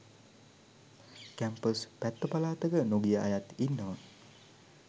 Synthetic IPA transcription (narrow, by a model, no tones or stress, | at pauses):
kæmpəspæt̪ːəpalaːt̪əɡənoɡijəa̰jat̪inːəʋə